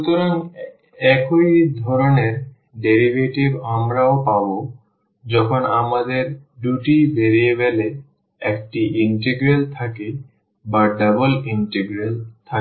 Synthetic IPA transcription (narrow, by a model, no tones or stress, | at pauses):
ʃut̪oɾaŋ | ɛkojd̪ʱɔɾoneɾ | ɖeɾibʱeʈibamɾaopabo | d͡ʑɔkʰonamad̪eɾɖuʈibeɾijebele | ɛkʈiiɳʈeɡɾelt̪ʰake | baɖaboliɳʈeɡɾelt̪ʰa